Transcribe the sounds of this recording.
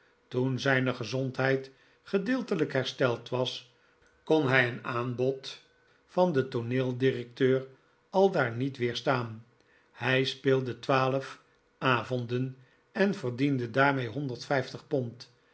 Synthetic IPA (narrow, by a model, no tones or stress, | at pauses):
tunzɛjnəχəzɔntɦɛjt | χədɪːlˠtələkɦɛɹstɛlˠtʋɑs | konɦɛjənaːnbɔt | fɑndətoneːlˠdirɛk̚tøːr | ɑlˠdaːɹnitʋɪːɹstaːn | hɛjspeːlˠdətʋaːləf | ʔaːvɔndən | ɛnvərdindədaːɹmejɦɔndəɹtfɛjftəχpɔnt